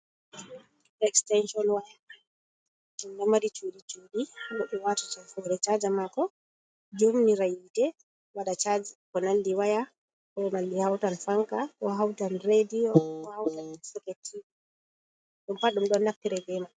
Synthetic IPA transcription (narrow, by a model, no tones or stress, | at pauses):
ɛkstɛnʃɔnwaja | ɗumnɛmaɾit͡ʃuɗit͡ʃuːdinɔɗuwatḁt͡ʃɛfɔɾɛt͡ʃad͡ʒamakɔ | d͡ʒomniɾajiːtɛ | waɗat͡ʃad͡ʒkɔnandiwaja | kɔmalːihawtanfaŋkawaɦawtanɾediɔwahawtansɛkɛtʰːi | ɗumpaɗumɗɔnːaftːiɾɛɡɛma